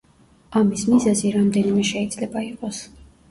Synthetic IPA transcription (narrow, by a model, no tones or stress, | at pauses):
amismizaziɾamd̪ɛnimɛʃɛid̪z̥lɛbaiqʼɔs